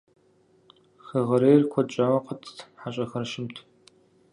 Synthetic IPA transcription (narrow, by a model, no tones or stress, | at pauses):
xɐʁɐɾeːjrkʷʰɔt͡ʃʼaːwɐqətʰʼħaɕʼɐxɐrʃɪmtʰ